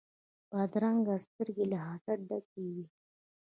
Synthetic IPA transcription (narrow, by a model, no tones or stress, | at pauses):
b̥ɑd̪ɾaŋɡast̪əɾɡelɪɦɑzaɖakiɡi